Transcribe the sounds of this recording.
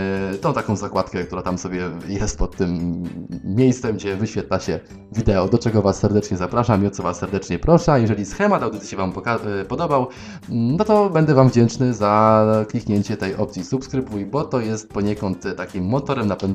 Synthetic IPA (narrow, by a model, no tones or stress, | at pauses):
t̪ɔ̃t̪akɔ̃w̃zakwat̪kɛk̚t̪uɾat̪amsɔbʲjɛjɛst̪̚pɔt̪ːɘmːʲ | jejst̪sɛmɡd͡ʑɛvɘɕfʲjɛt̪laɕɛ | vʲid̪ɛɔd̪ɔt͡ʂɛɡɔvasːɛɾd̪ɛt͡ʂɲɛzapɾaʂamiɔt̪sɔvasːɛɾd̪ɛt͡ʂɲɛpɾɔʂɛjɛʐɛlʲisxɛmat̪awd̪ɘt̪ɨ̥ɕɛvampɔkapɔd̪ɔbaw | nɔt̪ɔbɛnd̪ɛvamvd͡ʑɛnt͡ʂnɘzaklʲikɲeɲt͡ɕɛt̪ɛjɔ̰p̚t̪sʲisupskɾɘbujibɔt̪ɔjɛst̪̚pɔɲɛkɔnt̪ːakʲimːɔt̪ɔɾɛmnapɛ